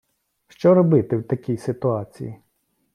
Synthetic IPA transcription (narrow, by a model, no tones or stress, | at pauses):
ʃt͡ʃɔɾɔbɪt̪ɪwt̪ɐkʲijsɪt̪ʊɑt͡sʲḭjḭ